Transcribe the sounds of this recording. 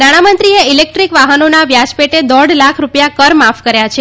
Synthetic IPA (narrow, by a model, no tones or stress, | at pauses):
naɽ̃amənt̪ɾieilek̚ʈɾikʋaɦənonaʋjat͡ʃpeʈed̪ɔɖlakʰɾupjakəɾmafkəɾjat͡ʃʰe